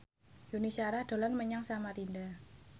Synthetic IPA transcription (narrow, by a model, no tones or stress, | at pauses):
junisaɾahd̥o̤lanməɲaŋsamaɾinda